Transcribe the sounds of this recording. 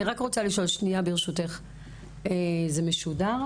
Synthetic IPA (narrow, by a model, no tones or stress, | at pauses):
iʁakʁot͡saliʃo̞lʃniabeʁeʃuteχ | ezemeʃudaʁ